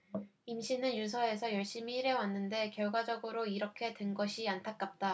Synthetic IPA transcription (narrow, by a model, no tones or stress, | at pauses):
imɕʰinɯnjus̬ʰʌe̞sʰʌjʌɭɕ͈imiːɾe̞wanːɯnde̞kjʌɭɡwad͡ʑʌɡɯɾoiɾʌkʰe̞dwenɡʌɕʰiantʰak̚k͈ap̚t͈a